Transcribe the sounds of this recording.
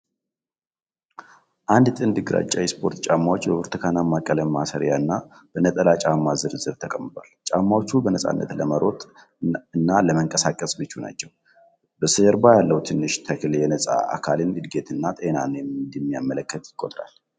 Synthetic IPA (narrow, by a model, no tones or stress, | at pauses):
ʔand̪t̪ʼɨnd̪ɨɡɾa̰t͡ʃʼːajɛspʰo̞ɾt̪t͡ʃʼamːawot͡ʃːbəbɨɾt̪ʰɨkʰanamːakʼːələmːasəɾjaɨnːa | bənət̪ʼəlat͡ʃʼamːazɨɾɨzɨɾt̪ʰəkʼəmːɨt̪ʷalt͡ʃʼamːawot͡ʃːubənəsʼa̰nːə̰t̪ləməɾo̞t̪ʼ | ɨnːaləməŋkʼəsakʼːəsbɨt͡ʃːuna̰t͡ʃːɛw | bəsɨəɾbajalːəwt̪ʰɨnːɨʃt̪ʰəkljɛnəsʼa̰a̰kʰalɨnɨd̪ɡe̞t̪ʰʼɨnːat̪ʼenanjɛmd̪ɛmːijamːələkːət̪jɪkʼːo̞t̪ʼɾa̰l